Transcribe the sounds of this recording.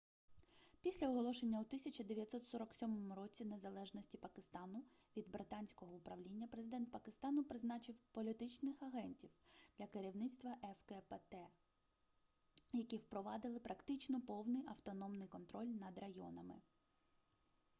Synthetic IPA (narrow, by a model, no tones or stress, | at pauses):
pʲisʲlʲɐɔɦɔlˠɔʃenʲːɐut̪ɪsʲɐt͡ʃɐd̪eʋʲjɐt̪ʲsɔt̪sɔɾɔksʲɔmɔmʊɾɔt͡sʲine̞zɐlˠɛʒnɔsʲtʲipɐkɪst̪ɑnʊ | ʋʲid̪bɾɪt̪ɑnʲsʲkɔɦɔʊpɾɐʋlʲinʲːɐpɾezɪd̪ɛnt̪̚pɐkɪst̪ɑnʊpɾɪznɑt͡ʃɪwpɔlʲit̪ɪt͡ʃnɪxɐɦɛnʲtʲiwd̪̥lʲɐkɪɾʲiwnɪt̪st̪ʋɐʔɛfkɛpɛt̪ɛ | jɐkʲiwpɾɔʋɑd̪ɪlˠɪpɾɐkt̪ɪt͡ʃnɔpɔwnɪjʔɐwt̪ɔnɔmnɪjkɔnt̪ɾɔlʲnɐd̪rɐjɔ̰nɐmɪ̰